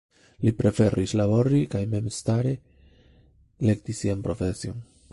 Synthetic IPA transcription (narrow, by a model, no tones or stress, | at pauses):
lipɾefeɾʔislaβoɾikajmemest̪aɾe | lekt̪isiempɾofesjon